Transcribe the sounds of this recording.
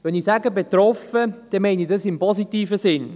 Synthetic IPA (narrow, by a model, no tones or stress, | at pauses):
ʋɛnisaɡəbet̪ɾɔfəd̥ɛmaɪnidɑsɪmpɔsitiːfəsɪn